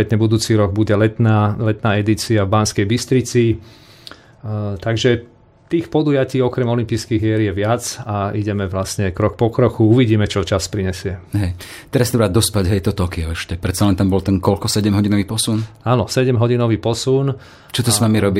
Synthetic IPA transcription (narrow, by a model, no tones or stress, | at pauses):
ɛt̪ɲɛbud̪uːt͡siːɾɔɡ̚buɟɛlɛt̪naːlɛt̪naːɛd̪it͡siavbanskɛjbist̪ɾit͡si | t̪aɡʒɛ | t̪iːxpɔd̪uːjaciːɔkɾɛmɔlimpiːskiːɣɛɾjɛʋɪat͡saiɟɛmɛʋlasɲɛkɾɔkpɔkɾɔxuuʋiɟiːmɛt͡ʃɔt͡ʃaspɾiɲɛsɪɛɦɛj | t̪ɛɾasit̪ɔbɾaːd̪d̪ɔspaɟɦɛjt̪ɔt̪ɔkiɔɛʃcɛpɾɛt̪t͡salɛnt̪ambɔlt̪ɛnkɔlkɔsɛɟɛmɦɔɟinɔʋiːpɔsunaːnɔsɛɟɛmɦɔɟinɔʋiːpɔsun | t͡ʃɔt̪ɔsmamiɾɔbi